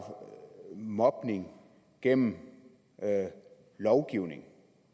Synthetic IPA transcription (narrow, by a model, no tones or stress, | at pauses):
mɒ̽b̥ne̝ŋ | ɡ̥en̰m̩ | lɒʊɡ̥iʊ̰ne̝ŋ